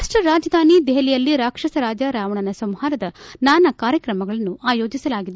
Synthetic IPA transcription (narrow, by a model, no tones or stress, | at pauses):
ʂʈɐɾaːd͡ʒɐd̪ʱaːnid̪ɛɦɐlijɐlːiɾaːkʂɐsɐɾaːd͡ʒɐɾaːʋɐɳɐnɐsɐmhaːɾɐd̪ɐnaːnɐkaːɾjɐkɾɐmɐɡɐɭɐnːuʔaːjo̞ːd͡ʒisɐlaːɡid̪e